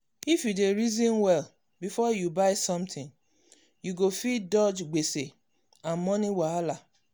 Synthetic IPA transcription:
ifjudeɾizɔ̃nwɛl | bifɔjubaɪsɔ̃mtʰɪ̃ŋ | juɡofidɔd͡ʒɡ͡bese | ãnmɔniwaala

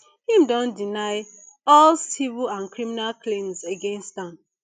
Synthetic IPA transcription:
hĩmdɔ̃ndinaɪ | ɔlsivilãnkɹiminalklẽmzeɡẽnstãm

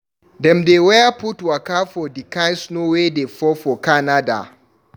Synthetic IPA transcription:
dɛmdewajapʊtwakafɔdɪkansnowedefɔfɔkanada̰

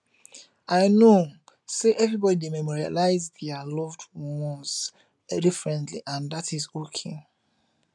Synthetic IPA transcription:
aɪno | seʔɛvɹibɔdidemɛmɔɹia̰laɪzdɛalɔvdmɔs | difɹɛ̃ntlḭʔãndatizokʰe

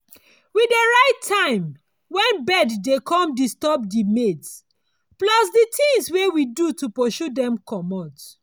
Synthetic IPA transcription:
widəɹaɪtʰːãɪ̃m | wɛ̃nbɛdːekɔ̃mdistɔbdimeds | plɔsditĩŋswewidutupɔʃudɛ̃mkʰɔmɔ̃t

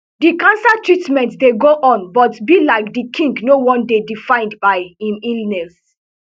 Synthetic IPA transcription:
dikãnsatʰɹitmɛ̃ntdeɡoʔɔ̃nbɔtbilaɪk̚dikʰĩŋɡnowɔ̃ndedifãɪ̃ndbaɪĩmilnɛs

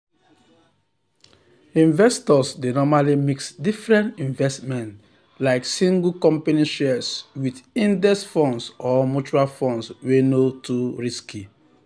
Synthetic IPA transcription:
ĩɱvɛstɔsdenɔmalimiksdifɹɛ̃ntĩɱvɛstmɛ̃nt | laɪksĩŋɡukɔ̃mpeniʃɛswidĩndɛsfɔ̃nsɔmut͡ʃuɹalfɔ̃nswenotuɹiski

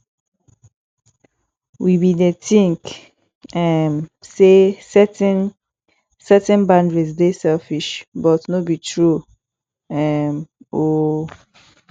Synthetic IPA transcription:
wʔibidetĩŋk | ɛmsesɛtn | sɛtɛ̃nbãndɹis̬desɛlfiʃbɔtnobitʰɹu | ɛmo

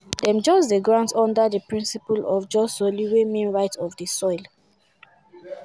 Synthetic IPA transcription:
dɛ̃md͡ʒɔzdəɡɹãntʰɔ̃ndədəpɹĩnsipulɔvd͡ʒɔsoliwemĩnɹaɪtʰɔvdəsɔɪl

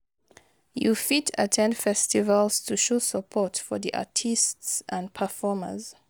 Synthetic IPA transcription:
jufitə̰tʰɛ̃ndfɛstivəlˠz̥tʰuʃosəpʰɔtfɔðiʔa̰tʰistsʔə̃npʰəfɔmə̰z̥

